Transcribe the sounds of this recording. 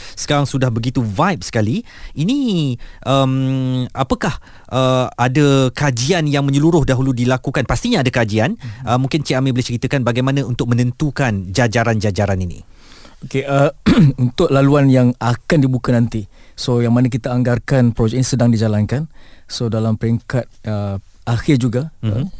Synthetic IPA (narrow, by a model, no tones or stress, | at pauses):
sə̥kaɾaŋsudahbəɡit̪uvajp̚sə̥kaliinĩʔəmapəkah | ʔəadakad͡ʒianjaŋmə̃ɲəluɾʊhdaɦuludilakukanpast̪iɲaːdakad͡ʒianʔəmũŋkɪnt͡ʃeamibolɪht͡ʃəɾit̪əkanbaɡajmãnãunt̪ʊk̚mə̃nə̃nt̪ukand͡ʒad͡ʒaɾand͡ʒad͡ʒaɾaninḭ̃ | okeəunt̪ʊʔ̚laluanjaŋakandibukanant̪isojaŋmanak̬it̪aːŋɡarkanpɾod͡ʒɛk̚inisədaŋdid͡ʒalankansodalampəɾiŋkat̪̚ə | axɪrd͡ʒuɡa